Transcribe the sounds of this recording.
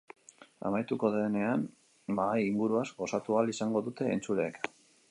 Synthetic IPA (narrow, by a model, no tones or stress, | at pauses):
a̰majt̪uko̞ðeːne̞an | bajiŋɡuɾuazɡo̞sat̪ualisaŋɡo̞ðut̪e̞ːnt͡sule̞ːk